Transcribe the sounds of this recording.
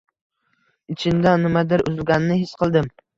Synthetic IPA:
ɪt͡ʃʰɪnd̪anɪmad̪ɪɾʊzɪlɡʲanɪnɪɦɪsqʰɨlˠd̪ɪm

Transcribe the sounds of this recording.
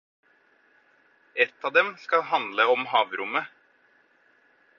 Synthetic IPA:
ɛt̪ːɑːd̪ɛmskɑɦɑnd̪ləɔmhɑːʋɾʊmə

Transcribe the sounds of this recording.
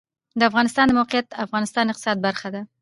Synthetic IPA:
d̪əafɣɑnɪst̪ɑnd̪əmawqɪjat̪afɣɑnɪst̪ɑnɪqt̪ɪ̥sɑd̪̚baɾxad̪a

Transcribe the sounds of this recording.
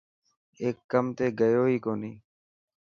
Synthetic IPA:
eːkːəmt̪eːɡəjoːiːkoːniː

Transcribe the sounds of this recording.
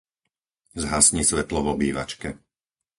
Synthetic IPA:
zɦasɲiːsʋɛt̪lɔvɔbiːʋa̰t͡ʃkɛ

